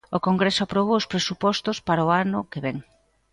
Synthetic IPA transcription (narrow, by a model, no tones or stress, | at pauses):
ʊkoŋɡɾesʊapɾoβ̞oʊspɾesupɔst̪ʊspaɾaoanʊkeβɛŋ